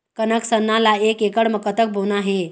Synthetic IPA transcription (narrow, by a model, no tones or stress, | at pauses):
kənəksənːalaekekəɽməkət̪ək̚bʱonaɦe